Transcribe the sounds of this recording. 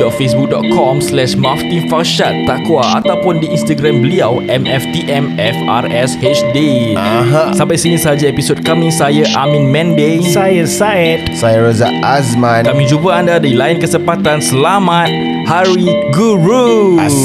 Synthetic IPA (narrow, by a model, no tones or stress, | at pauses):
ɔtfesbuk̚dɔt̪̚kʰɔmslɛʃmaft̪infaʃat̪ːakwaa̰t̪awpʊndiinst̪aɡɾambəliawʔɛmɛft̪iʔɛmɛfa̰rɛshet͡ʃdeaɦãsãmpajsinĩsəɦad͡ʒaepisod̚kamĩŋsajaʔamĩnmɛ̃ndesajasajt̪sajaɾaza̰ʔasmãnkamĩŋd͡ʒupəandadailainkəsəmpat̪ansəlamat̪̚ | haɾiɡuɾu